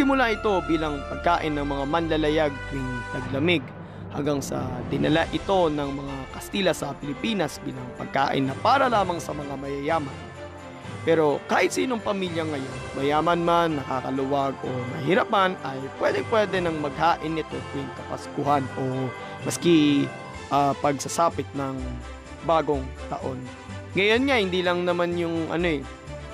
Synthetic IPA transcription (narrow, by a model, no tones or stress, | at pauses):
sɪmʊlaʔɪt̪o̞biːlɐŋpɐɡ̚kaːʔɪnːɐŋmɐŋamɐnlɐlɐjaɡ̚ɪŋpɐɡ̚lɐmɪɡ̚ | ha̰ŋɡaŋsɐ̰d̪ɪnɐlaʔɪt̪o̞nɐŋmɐŋakɐst̪iːlɐsɐpɪlɪpiːnɐsbiːlɐŋpɐ̰ɡ̚ka̰ːʔɪ̰nːɐpaːɾɐlaːmɐŋsɐmɐŋamɐjɐjaːmɐn | pɛːɾo̞kaːhɪt̪siːno̞ŋpɐmiljɐŋɐjo̞nmɐjaːmɐnmanːɐkakɐlʊwaɡo̞nɐ̰hɪɾapanʔɐjpwɛd̪ɛŋpwɛd̪ɛnɐŋmɐɡ̚haːʔɪnːɪt̪o̞t̪ɪŋkɐpɐ̰skʊɦano̞ | mɐskɪ | ʔapɐɡsɐsaːpɪt̪̚nɐŋ | baːɡo̞ŋt̪ɐ̰ʔo̞n | ŋɐjo̞nŋahɪnd̪iːlɐŋnɐmanjʊŋʔɐ̰no̞ɛ